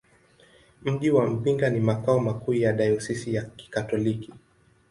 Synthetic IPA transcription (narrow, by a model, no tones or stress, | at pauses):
m̩ʄiwam̩piŋɡanimakaɔmakuːjaɗajɔsisijaki̥katɔliki